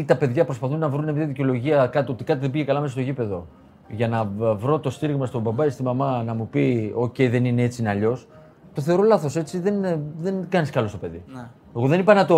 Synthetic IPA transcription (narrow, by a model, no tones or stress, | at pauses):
t̪ɐpe̞ðʝɐpɾo̞spɐθunːɐvɾunemtɐiðiceo̞lo̞ʝiɐkɐt̪io̞t̪ikɐt̪iðebiʝe̞kɐlɐmesɐst̪o̞ʝipe̞ðo̞ | ʝɐnɐvɾo̞t̪o̞st̪iɾiɣmɐst̪o̞bɐbɐest̪imɐmɐnɐmupio̞ce̞iðe̞nine̞e̞t͡siineɐʎo̞s | t̪o̞θe̞o̞ɾo̞lɐθo̞se̞t͡siðe̞nðe̞nɡɐniskɐlosto̞pe̞ðḭ | eɣo̞ðenipɐnɐt̪o̞